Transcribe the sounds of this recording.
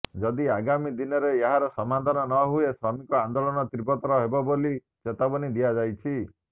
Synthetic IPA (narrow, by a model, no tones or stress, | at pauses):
d͡ʒɔd̪iaɡamid̪inɔɾeːɦaɾɔsɔmad̪ʱanɔnɔɦuesɾɔmikɔand̪olɔnɔt̪ɾibɔt̪ɔɾɔɦebɔboli | t͡ʃet̪abɔnid̪iad͡ʒajt͡ʃʰi